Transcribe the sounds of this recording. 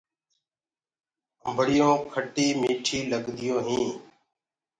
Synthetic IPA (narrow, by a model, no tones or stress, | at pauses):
əmbʱəɽɪjõːkʰəʈiːmiːʈʰiːləɡd̪ɪjõːɦĩː